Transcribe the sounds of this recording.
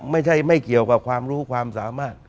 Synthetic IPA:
ma˥˩jt͡ɕʰa˥˩jma˥˩jki˨˩əwka˨˩p̚kʰwaː˧mɾuː˦˥kʰwaː˧msaː˩˦maː˥˩t̪̚

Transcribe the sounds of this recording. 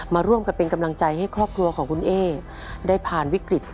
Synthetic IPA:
maː˧ɾu˥˩əmka˨˩pːe˧nka˧mla˧ŋt͡ɕa˧jɦa˥˩jkʰɾɔː˥˩p̚kʰɾu˧ɐkʰɔː˩˦ŋkʰu˧nʔeː˧˥˩ | daː˥˩jpʰaː˨˩nwi˦˥kɾi˨˩t̪̚

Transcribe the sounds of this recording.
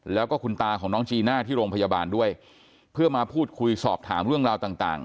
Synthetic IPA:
lɛː˦˥wkɔː˥˩kʰu˧nt̪aː˧kʰɔː˩˦ŋnɔː˦˥ŋt͡ɕʰiː˧naː˥˩t̪ʰiː˥˩ɾoː˧ŋpʰa˧jaː˧baː˧ndu˥˩əj | pʰɯ˥˩ɐmaː˧pʰuː˥˩t̪̚kʰu˧jsɔː˨˩p̚t̪ʰaː˩˦mɾɯ˥˩əŋɾaː˧wt̪aː˨˩ŋt̪a̰ː˨˩ŋ

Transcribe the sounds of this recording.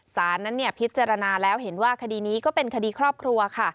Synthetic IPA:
saː˩˦nːa˦˥nːi˥˩ɐpʰi˦˥t̪̚t͡ɕaː˧ɾa˧naː˧lɛː˦˥wɦe˩˦nwaː˥˩kʰa˧diː˧niː˦˥kɔː˥˩pe˧nkʰa˧diː˧kʰɾɔː˥˩p̚kʰɾu˧ɐkʰa˥˩

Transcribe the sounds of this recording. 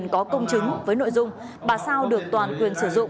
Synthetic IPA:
nkɔ˨˦kə˧wŋ͡mt͡ɕɨ˨˦ŋvəː˨˦jno̰˧˨jzʊ˧ŋ͡m | ɓaː˨˩saː˧wɗɨ˨˩ək̚t̪waː˨˩nkwi˨˩ənsɨ˧˩zʊ̰˧˨ŋ͡m

